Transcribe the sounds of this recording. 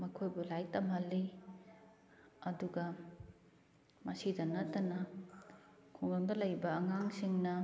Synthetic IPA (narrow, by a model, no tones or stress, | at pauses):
mɐkʰojbulajtɐmɦɐlːi | ɐduɡɐ | mɐsidɐnɐtːɐnɐ | kʰuŋɐŋdɐlɐjbɐːŋaŋsiŋnɐ